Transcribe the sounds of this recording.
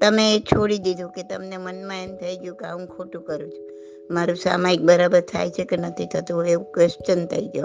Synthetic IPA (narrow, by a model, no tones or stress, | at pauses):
t̪əmẽːt͡ʃʰoɽid̪id̪ʱũket̪əmnemənmãemt̪ʰəiɡjũkeaũkʰoʈũkəɾũt͡ʃʰu | maɾũsa̰maik̚bəɾabəɾt̪ʰa̰jt͡ʃʰekenət̪ʰit̪ʰət̪ũeũkʋest͡ʃənt̪ʰəiɡjo